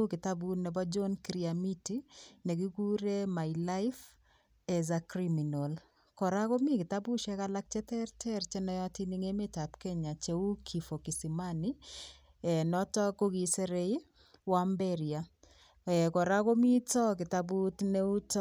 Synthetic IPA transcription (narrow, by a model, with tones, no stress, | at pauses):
u˦kɪ˨ta˦bunɛ˨bɔ˦d͡ʒɔ˦nkɾiami˦ti˦nɛ˨ɡi˦ɡu˦ɾe˦ma˨ɪla˦ɪf | ɛ˨zakɾimi˨nol | kɔ˨ɾa˦ko˦mi˦kɪ˨ta˦bu˦ʃɛ˦ka˦la˦k̚t͡ʃɛ˦tɛ˦ɾtʰɛ˦ɾt͡ʃɛ˦nɔjɔ˦ti˦ni˦ŋe˦meta˨pkɛ˦ɲa˨t͡ʃe˨u˦kʰi˨fo˨ki˨si˨mani˦ | ɛnɔtɔ˦ko˦ɡi˨sɛ˦ɾe˦i | wambɛɾia˨ | ɛ˨kɔ˨ɾa˦ko˦mi˦tɔ˦kɪ˨tabu˦tne˦u˦t